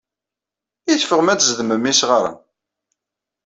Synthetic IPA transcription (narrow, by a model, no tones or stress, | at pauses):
iθfəʁmæt͡sːzðəməmːisʁaɾˤa̰